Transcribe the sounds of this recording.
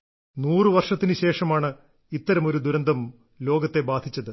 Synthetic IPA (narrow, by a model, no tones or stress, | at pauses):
nuːrɨʋɐrʂɐt̪ːinɨɕe̞ːʂɐmaːɳɨ | it̪ːɐɾɐmo̞ɾud̪uɾɐnd̪ʱɐm | lo̞ːɡɐt̪ːe̞baːd̪ʱit͡ɕːɐðɨ